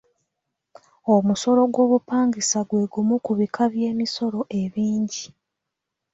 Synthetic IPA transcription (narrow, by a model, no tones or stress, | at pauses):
o̞muso̞ɾo̞ɡwo̞ːβupaːŋɡisaɡwe̞ːɡumukuβikʰaβje̞ːmiso̞ɾo̞ʔe̞βiːɲɟi